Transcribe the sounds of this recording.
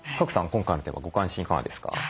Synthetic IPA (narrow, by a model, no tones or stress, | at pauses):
kakɯ̟̥sãŋkõŋkajnot̪ẽa̰ɡo̞kãɰ̃ɕĩŋkana̰d̪e̞sɨ̥ka̰